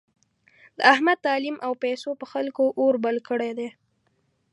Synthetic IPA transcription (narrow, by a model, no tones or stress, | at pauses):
d̪əahmad̪̚t̪ɑlimʔawpajsopəxalkoʔoɾbalkəɽed̪e